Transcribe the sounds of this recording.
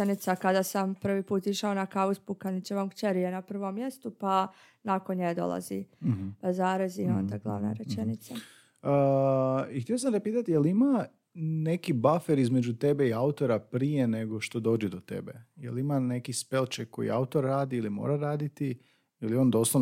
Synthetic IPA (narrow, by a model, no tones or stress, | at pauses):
enit̪sakad̪asampr̩ʋipuːt̪iʃao̞nakaʋuspukanit͡ɕeʋamkt͡ʃeɾijenapr̩ʋo̞mːje̞st̪upa | nakonɲed̪o̞̰lˠa̰zḭ | zaːɾazio̞̰nd̪aɡlˠa̰ʋna̰ɾet͡ʃenit̪sa | ə | ixt̪ʲejos̬and̪apiːt̪at̪ijelima | ne̞kibafeɾizmed͡ʒut̪e̞beiaut̪o̞ɾapɾije̞ne̞ɡo̞ʃt̪o̞d̪o̞ːd͡ʒed̪o̞t̪e̞̰bḛjḛlimane̞kispelˠt͡ʃekːo̞̰jḭaut̪o̞ɾːaːd̪iilimo̰ːɾaɾaːd̪it̪i | ilio̞ːnd̪o̞slˠo